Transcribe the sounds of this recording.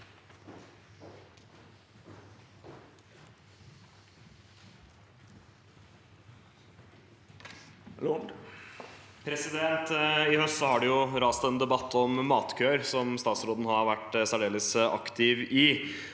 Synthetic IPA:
pʰɾɛsɪd̪ɛnt̪ɪhœst̪sɔhɑɖɛjʊɾɑːst̪ɛnd̪ɛbɑt̪ʰːɔmːɑːt̪kʰøːəɾsɔmst̪ɑːt̪sɾoːd̪n̩hɑʋæʈːsæɖeːləsɑ̰kt̪ʰɪʋɪ

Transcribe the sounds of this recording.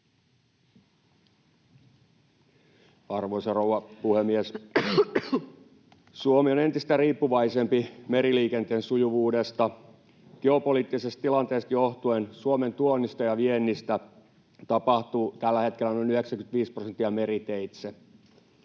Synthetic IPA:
ɑrʋoisɑrowʋɑpuhemːies | suomio̞ne̞nt̪ist̪æriːpːuʋɑisempimeɾiliːkent̪eːnsujuʋuːdest̪ɑ | ɡ̥eopoliːt̪ːisest̪t̪ilɑnt̪eːst̪joht̪uensuome̞nt̪uonːist̪ɑjɑʋienːist̪æ | t̪ɑpɑht̪uːt̪ælːæhe̞t̪kelˑːænonyheksæŋkynt̪ʋiːsprosent̪ːiɑmeɾit̪eit̪se

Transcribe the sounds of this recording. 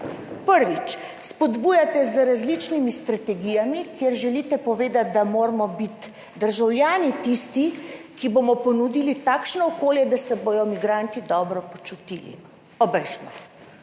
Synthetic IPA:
pəɾʋit͡ʃspɔd̪buːjat̪ɛzɾazlit͡ʃnimist̪ɾat̪ɛɡijamikjeɾʒɛlit̪ɛpɔʋeːd̪at̪̚d̪amoːɾmɔbit̪ | d̪əɾʒawlʲjaːnit̪ist̪i | kibomɔpɔnud̪ilit̪aːkʃnɔɔkoːljɛd̪asɛbojɔmiɡɾaːnt̪id̪ɔːbɾɔpɔt͡ʃut̪ḭːlḭ | ɔbɛjʃnɔ

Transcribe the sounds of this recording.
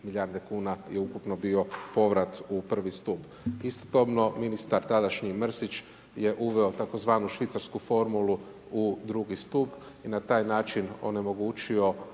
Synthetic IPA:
milʎʲaɾd̪ekuːnajeukupno̞bio̞po̞ʋɾat̪upr̩ʋist̪up | ist̪o̥t̪o̞bno̞minist̪aɾt̪ad̪aʃɲimr̩sit͡ʃ | je̞ʔuʋe̞o̞t̪ako̞zʋaːnuʃʋit̪saɾskufo̞ɾmulˠu | ud̪ɾuɡist̪up | inat̪aːjnaːt͡ʃino̞̰ne̞mo̞ɡuːt͡ʃio̞

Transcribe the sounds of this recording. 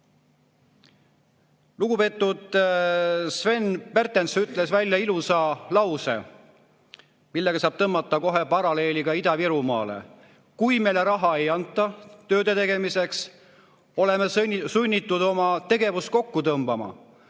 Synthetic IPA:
luɡ̥upe̞t̪ːˑud̪̥ | sve̞npe̞rt̪ːˑensyt̪ˑle̞svælʲjɑilusɑlɑwse̞̰ | milːeɡ̥ɑsɑːb̥̚t̪ɤmːɑt̪ːˑɑko̞ɦe̞pɑɾɑle̞ːlʲiɡ̥ɑid̪ɑviɾumɑ̰ːle̞̰ | kujme̞jleɾɑɦɑe̞jɑnt̪ːˑɑt̪ø̞ːd̪et̪e̞ɡe̞mise̞ks | o̞le̞mesunʲːit̪ːˑud̪o̞mɑt̪e̞ɡe̞vust̪̚ko̞kːut̪ɤmb̥ɑmɑ̰

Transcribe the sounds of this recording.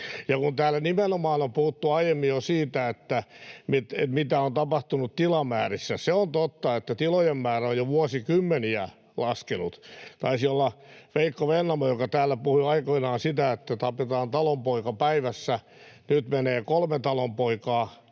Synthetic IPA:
jɑkunt̪æːlːænimenomɑːnompuhut̪ːuɑijemːijjosiːt̪æet̪ːæmit̪ḛt̪mit̪æont̪ɑpɑht̪unutt̪ilɑmæ̰ːrisːæseont̪ot̪ːɑet̪ːæt̪ilojemmæːræojjoʋuɑsikymːeniæ | lɑskenṵt̪t̪ɑisiolːɑfeikːoʋenːɑmɑjokɑt̪æːlːæpuhiɑikoinɑːnsit̪æet̪ːæt̪ɑpet̪ɑːnt̪ɑlompoikɑpæiʋæsːæ | nyt̪meneːkolmet̪ɑlompoikɑː

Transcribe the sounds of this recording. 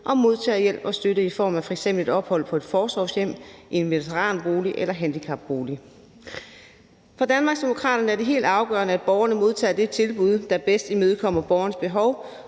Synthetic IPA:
ʔɒ̽mo̝ðˠt͡sʰɛ̰ːjel̰b̥ɒ̽sd̥øɾəifɒ̰ːmæfɒeɡ̥semb̥lid̥ɒ̽b̥hɒ̽l̰pʰɒ̽e̝d̥fɒːsʋɒʊsjem̰ʔe̝nmelit͡sʰeʁɑ̰̈ːnb̥o̝ːliʔelɐɦænd̥ikʰɑ̈b̥ːo̝ːli | fɑ̈d̥ænmɑ̈ɡsd̥e̝mo̝kʰʁɑ̰̈ːɾ̥ɐnəæɐd̥e̝ɦe̝̰ːld̥ɑ̈ʊɡ̥ɶ̰ɐnəæd̥̚b̥ɒʊɐnəmo̝ð̞ˠt͡sʰɛ̰ːd̥e̝t͡sʰe̝lb̥uð̞ˠd̥æb̥esd̥imøːð̞̩ˠkʰɒ̽m̰ɐb̥ɒʊɐnəsb̥e̝ɦɒʊ

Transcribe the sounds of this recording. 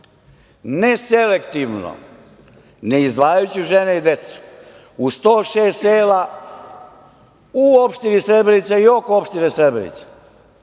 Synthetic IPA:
nesele̞kt̪iʋno̰ | neizd̪ʋaːjajut͡ɕuʒeneid̪et̪su̥ | ust̪oːʃeːst̪eːla | uopʃt̪inisɾebɾenit̪saiokoopʃt̪inesɾed̪bɾenḭt̪se̥

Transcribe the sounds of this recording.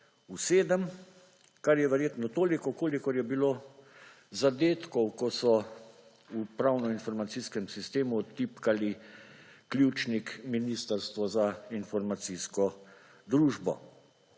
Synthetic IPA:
useːd̪əm | kaɾjɛʋɛɾjeːt̪nɔt̪oːlikɔkoːlikɔɾjɛbiloː | zad̪eːt̪kɔwkɔsɔ | upɾawnɔinfɔɾmat̪siːskɛmsist̪eːmut̪ipkali | klʲjut͡ʃnikminist̪əɾst̪ʋɔzainfɔɾmat̪siskɔ | d̪ɾuːʒbɔ̰

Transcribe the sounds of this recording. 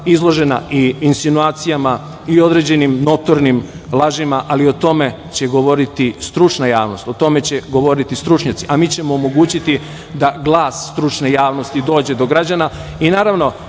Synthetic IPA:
izlˠo̞ʒe̞na̰ʔiinsinuaːt̪sijama | io̞d̪ɾe̞d͡ʑe̞nimno̞t̪o̞ɾnimlˠaʒimaʔalio̞t̪o̞me̞ | t͡ɕe̞ɡo̞ʋo̞ɾit̪ist̪ɾut͡ʃnajaːʋno̞st̪ot̪o̞me̞t͡ɕeɡo̞ʋo̞ɾit̪ist̪ɾut͡ʃɲat̪siʔamiːt͡ɕe̞moːmo̞ɡuːt͡ɕit̪i | d̪aɡlˠaːssːt̪ɾut͡ʃnejaːʋno̞st̪id̪o̞ːd͡ʑe̞d̪o̞ɡɾad͡ʑana | inaːɾaʋno̞

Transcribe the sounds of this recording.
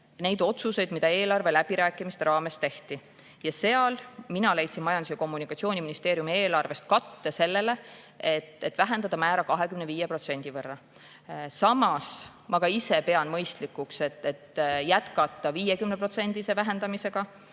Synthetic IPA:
ne̞jd̪o̞t̪suse̞jd̪̥mid̪ɑe̞ːlɑrve̞læb̥iɾæːkːˑimist̪e̞ɾɑːme̞st̪e̞ht̪i | jɑse̞ɑlminɑlejt̪sinmɑjɑnd̪usjɑko̞mːunikːˑɑt̪sio̞ːnʲiminist̪e̞ːɾjumie̞ːlɑrve̞st̪̚kɑt̪ːese̞lːe̞le̞ | et̪ːˑe̞t̪ːˑvæɦe̞nd̪ɑd̪ɑmæːɾɑkɑɦe̞kymneviːjepɾro̞t̪se̞nʲd̪̥ivɤrːɑ | sɑmɑs | mʔɑɡ̥ɑise̞pe̞ɑnmɤjst̪likːˑukset̪ːet̪ːjæt̪kɑt̪ːˑɑviːjekymnepro̞t̪se̞nʲd̪̥ise̞væɦend̪̥ɑmise̞ɡ̥ɑ

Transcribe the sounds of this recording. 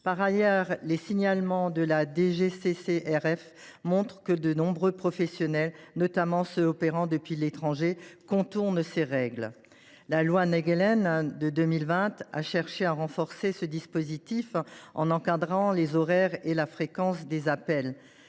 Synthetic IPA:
paʁajɛʁlesiɲalmɑ̃d̪əlad̪eʒeseseʔɛʁɛf | mɔ̃t̪χəkəd̪ənɔ̃bʁøpχɔfɛsjɔnɛlnɔt̪amɑ̃səɔpeʁɑ̃d̪əpɥilet̪χɑ̃ʒekɔ̃t̪uʁnseʁɛɡl | lalwanɛɡlɛnd̪əd̪ømilvɛ̃t̪a̰ʃɛʁʃeaʁɑ̃fɔʁsesəd̪ispozit̪ifɑ̰̃nɑ̃kad̪ʁɑ̃lezɔʁɛʁelafχekɑ̃sd̪ezapɛl

